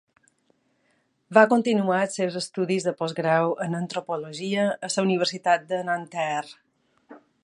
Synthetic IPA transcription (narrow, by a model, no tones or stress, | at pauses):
bakunt̪inuat̪sewzəst̪uðizðəpɔzɣɾawənənt̪ɾupoloʒiəːsəuniβ̞əɾsit̪at̪̚d̪ənant̪ɛr